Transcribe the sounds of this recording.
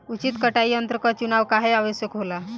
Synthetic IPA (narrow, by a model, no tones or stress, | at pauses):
ut͡ɕit̪kəʈaiənt̪ɾəkɔt͡ʃunaʋkaɦeaʋəɕjəkɦola